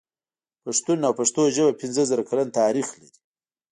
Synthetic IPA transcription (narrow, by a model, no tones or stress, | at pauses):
paʂt̪unawpaʂt̪oʒəbapɪnzəzaɾakʰalant̪ɑːɾixlaɾi̥